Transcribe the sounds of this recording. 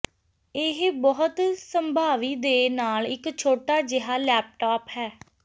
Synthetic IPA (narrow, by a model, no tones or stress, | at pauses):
ɪɦbɔɦʊt̪səmbʱaːʋiːd̪eːnaːlɪkt͡ʃʰoːʈaːd͡ʒɪɦaːlɛːp̚ʈaːpɦɛː